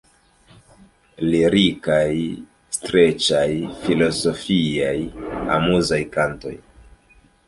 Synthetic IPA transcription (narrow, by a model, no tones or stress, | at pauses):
liɾikaj | stɾe̞t͡ʃajfilo̞so̞fiaja̰muzajkanto̞̰j